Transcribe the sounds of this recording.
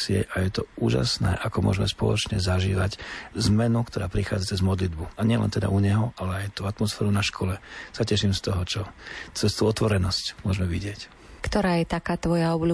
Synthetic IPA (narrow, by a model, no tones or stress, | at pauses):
sɪɛ̰ʔajɛt̪ɔuːʒa̰snɛ̰ːʔakɔmʊɔ̰ʒɛmɛspɔ̰lɔ̰t͡ʃɲɛzaʒḭːʋaczmɛnukt̪ɔɾaːpɾixaːd͡zat͡sɛzmɔd̪lid̪buaɲɪɛlɛ̰nt̪ɛd̪a̰ʔuɲɛɦɔalɛajt̪uːat̪mɔsfɛːɾunaʃkʰɔlɛsacɛʃimst̪ɔɦɔt͡ʃɔt͡sɛst̪uɔt̪ʋɔɾɛnɔscmʊɔʒmɛʋiɟɪɛc | kt̪ɔɾaːjɛt̪akaːt̪ʋɔjaɔblu